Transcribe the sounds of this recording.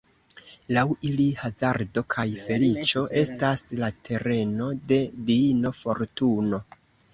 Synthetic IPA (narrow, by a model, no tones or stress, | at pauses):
lawilihazaɾdo̞kʰajfe̞lit͡ʃo̞ʔe̞staslatʰe̞ɾe̞no̞de̞diino̞fo̞ɾtuno̞